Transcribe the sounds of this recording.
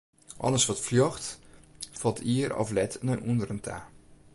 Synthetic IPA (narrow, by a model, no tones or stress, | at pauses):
ʔɔ̰ləsʋɔtfljɔχt | fɔlˠtʰiərɔ̰flɛtʰnəʔundərəntʰaː